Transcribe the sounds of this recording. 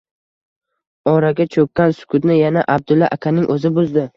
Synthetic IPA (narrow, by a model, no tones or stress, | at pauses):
ɒɾaɡʲat͡ʃʰɵkʲːansʊ̥kʰʊd̪nɪjanaʔab̚d̪ʊlːaʔakʲʰanɪŋʔɵzɪbʊzd̪ɪ